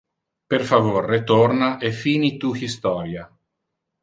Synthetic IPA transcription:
perfavorːet̪ornaʔefiːnit̪uhist̪ɔːɾja

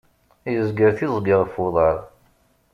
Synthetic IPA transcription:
jəzɡəɾθizˤɡiʁəfoðˤəɾˤ

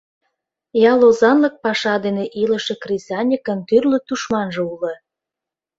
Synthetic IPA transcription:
jɑlozɑnlə̆k̚pɑʃɑd̪eneʔiləʃĕkrisʲɑnʲikə̆nt̪yrlət̪uʃmɑnʒɤ̆ulə̆

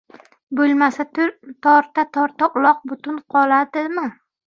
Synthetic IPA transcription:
bolˠmasat̪ʊt̪ʰɒɾt̪at̪ʰɒɾt̪aʔʊlˠɒq̚bʊt̪ʊnqʰɒlˠad̪ɪmɪ

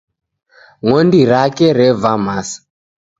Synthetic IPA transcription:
ŋɔndiɾakɛɾɛvamasḁ

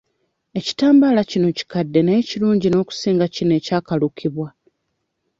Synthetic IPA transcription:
e̞ci̥taːmbalacino̞ci̥kadːe̞neeciluːɲɟino̞ːku̥siːŋɡacinoe̞ːcaːkalukʰiβwa

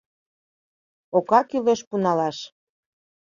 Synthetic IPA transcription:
okɑkyleʃpunɑlɑʃ

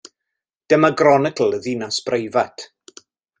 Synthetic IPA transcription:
d̥əmaɡrɔnɪkʰəl̩ˠəðinasb̥rejvatʰ

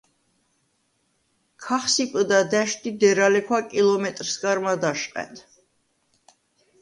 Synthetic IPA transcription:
kʰaχsipʼd̪ad̪ɛʃt̪id̪ɛɾalɛkʰwakʼilˠɔmɛt̪ʼɾsɡaɾmad̪aʃqʼɛ̰nt̪ʰ

